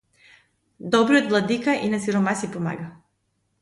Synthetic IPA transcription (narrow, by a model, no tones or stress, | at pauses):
d̪obɾiod̪ʋlˠad̪ikaʔinasiɾomasipoma̰ːɡa